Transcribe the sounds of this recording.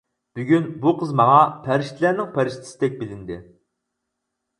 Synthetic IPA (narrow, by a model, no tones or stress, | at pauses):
b̥yɡʲynbuqʰəzmɑŋɑpʰæɾɪʃt̪ʰɪlæɾnɪŋpʰæɾɪʃt̪ʰɪ̥sɪd̪ɛk̚ʲbɪlɪnd̪ɪ